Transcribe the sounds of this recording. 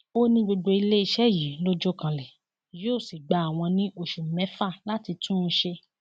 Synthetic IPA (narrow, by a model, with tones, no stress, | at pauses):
o˦nĩ˧ɡ͡bo˧ɡ͡bo˧i˧le˦i˧ʃɛ˦˨ji˨˦lo˦d͡ʒɔ˦kã˧lɛ˨ | jo˦˨si˨ɡ͡ba˨a˨w̃ɔ̃˧nĩ˦ʔo˦˨ʃu˨mɛ̃˨˦fa˦˨la˦ti˧tũ˦˧˦ʃe˧